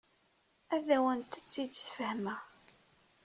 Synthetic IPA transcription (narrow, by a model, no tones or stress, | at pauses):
æðæwənt̪ət͡sːid̪sfəhmæ